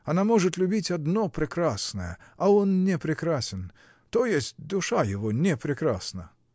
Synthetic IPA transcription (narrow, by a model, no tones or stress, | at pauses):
ɐnamɔʐɨt̪lʲʊbʲitʲad̪nɔpɾɪkɾasnəjə̰ɐɔnnʲɛpɾɪkɾasʲɪn | t̪ɔjesʲtʲd̪ʊʂajɪvɔnʲɛpɾʲɪkɾasnɐ